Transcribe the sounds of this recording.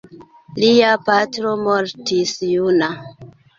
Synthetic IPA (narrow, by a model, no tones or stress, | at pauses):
liapatɾomoɾtisjuna